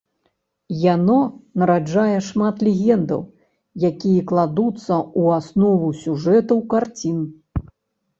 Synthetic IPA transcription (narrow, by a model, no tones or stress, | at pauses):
janɔnɐɾad͡ʐajɛʂmat̪lʲeɣʲɛnd̪ɐ̰w | jakʲijɛklˠad̪ut̪sːɐuasnɔvusʲuʐɛt̪ɐwkart͡sʲin